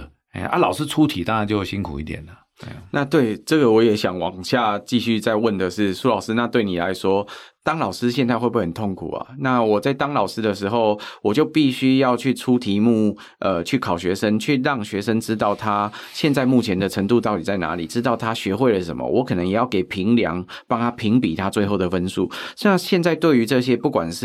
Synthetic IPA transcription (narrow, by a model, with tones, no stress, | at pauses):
e˥˩ʔa̰˦lɑ˨ʊʂɹ̩˥ʈ͡ʂʰu˦˥t̪ʰi˨˩t̪a˥ŋa˧˥nt͡ɕjo˥˧ʊ˩ɕi˥nkʰṵ˨˩i˥˧t̪jɛ̰˨˩nə˩˥˩ | na˥˧t̪we˥˩ɪʈ͡ʂə˥˩ɡə˩wɔ˧˦˥jɛ˨˥ɕjɑ˨˩ŋwɑ̰˨˩ŋɕja˥˧t͡ɕi˥˧ɕy˥˧t͡sa˥˧ɪwə˥˩nd̪ə˩ʂɻ̩˥˩su˥lɑ˨˩ʊsɹ̩˦na˥˧t̪we˥˩ɪni˨˩la˧˦ɪʂwɔ˥t̪ɑ˥ŋlɑ˨˩ʊʂɹ̩˥ɕjɛ˥˧nt͡sa˥˧ɪxwe˥˧p̬u˥˩hə˨˩nt̪ʰo˥˩ŋkʰṵ˨˩ɐ̰˩na˥˩wɔ˨˩t͡sa˥˩ɪt̪ɑ˥ŋlɑ˨˩ʊsʂɹ̩˦˥d̪ə˨ʂɻ̩˧˥xo˥˧ʊwɔ˨˩t͡ɕjo˥˧ʊpi˥˩ɕy˥jɑ˥˧ʊt͡ɕʰy˥˩ʈ͡ʂʰu˥t̪ʰi˧˥mu˥˩ | ʔə˨t͡ɕʰy˥˩kʰɑ˨˩ʊɕɥɛ˧˥ʂə˥ŋt͡ɕʰy˥˩ɻɑ˥˩ŋɕɥɛ˧˥ʂə˥ŋʈ͡ʂɻ̩˥t̪̬ɑ˥˩ʊt̪ʰa˥ɕjɛ˥˧nt͡sa˥˧ɪmu˥˩t͡ɕʰjɛ˧˥nd̪ə˨ʈ͡ʂʰə˧˥ŋt̪u˥˧t̪ɑ˥˩ʊt̪i˨˩t͡sa˥˩ɪna̰˧˥lḭ˨˩ʈ͡ʂɻ̩˥t̪ɑ˥˩ʊt̪ʰa˥ɕɥɛ˧˥xwe˥˩ɪdə˨˩ʂə̰˨˦mə̰˨wɔ˧˥kʰɤ˨˩nə˧˦ŋjɛ˨˩jɑ˥˩ʊke˨˩ɪpʰi˧˥ŋljɑ̰˧˦ŋpɑ˥ŋt̪ʰa˥pʰi˧˥ŋpi˨˩t̪ʰa˦t͡swe˥˧ɪxo˥˩ʊd̪ə˩fə˦˥nsu˥˩ɕja˥˧ŋɕjɛ˥˧nt͡sa˥˧ɪt̪we˥˩ɪy˧˥ʈ͡ʂɤ˥˧ɕ̬jɛ˥pu˥˩kwa˨˩nʂ̩˥˩